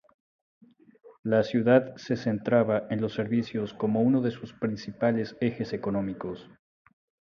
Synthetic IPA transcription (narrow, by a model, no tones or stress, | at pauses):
lasjuðaðse̞se̞nt̪ɾaβaʔe̞nlo̞sːe̞ɾβisjo̞sko̞mo̞uno̞ðe̞suspɾinsipale̞se̞xe̞se̞ko̞nõ̞mikos